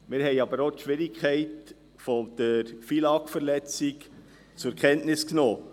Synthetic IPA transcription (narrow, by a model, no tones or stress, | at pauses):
mɪːɾhɛɪɑbəɾotʃʋɪɾɪkʰχɛɪt | fɔd̥əɾfilɑkfəɾlɛt͡sɪk | t͡sʊɛkʰɛntnɪsknoː